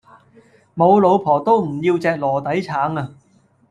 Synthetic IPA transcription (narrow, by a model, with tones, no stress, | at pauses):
mo˨˧wlo˨˧wpʰɔː˨˩t̪o˥wm̩˨˩jiː˧wt͡sɛː˧k̚lɔː˨˩t̪ɐ˨˥jt͡sʰaː˨˥ŋaː˧